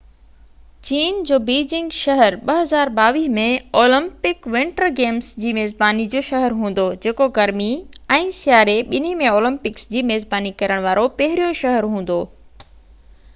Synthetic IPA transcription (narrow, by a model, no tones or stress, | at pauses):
t͡ɕiːnd͡ʑoːbiːd͡ʑɪ̃ŋɡʃɐɦəɾɓɐɦɐzaːɾbaːʋiːɦmẽoːlɪ̃mpɪkʋɪ̃ɳʈəɾɡeːmsd͡ʑiːmeːzbaːnid͡ʑoːʃɐɦəɾɦũːn̆d̪od͡ʑeːkoɡɐɾmiɛ̃ːsɪjaːɾeɓɪn̤imẽoːlɪ̃mpɪksd͡ʑiːmeːzbaːnikɐɾəɽ̃ʋaːɾopɐɦɪɾijoʃɐɦəɾɦũːn̆d̪oː